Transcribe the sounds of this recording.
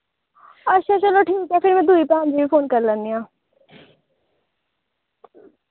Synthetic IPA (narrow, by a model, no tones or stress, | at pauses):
ɐtːʃʰat͡ʃɐloʈʰiːkɛpʰɪɾmɛ̃d̪uipɛ̃ɦãnd͡ʒibipʰoːnkɐɾlə̃nd̪ijãː